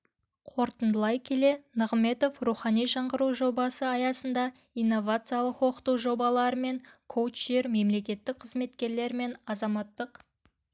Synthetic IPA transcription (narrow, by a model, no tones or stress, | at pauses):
qʰo̞ɾt̪ənd̪əlˠɑjkʲʰe̞le̞nəʁme̞t̪o̞fruχɑnijʒɑɴʁəɾuwʒo̞bɑsəɑjɑsənd̪ɑ | ijnːo̞vat̪sɨjalˠəqwo̞qə̥t̪uwʒo̞bɑlˠɑɾəme̞ŋkʰowt͡ʃ̪eɾme̞mle̞kʲe̞t̪ːɪk̚qʰəzme̞t̪kʲe̞ɾle̞ɾme̞nɑzɑmɑt̪ːəq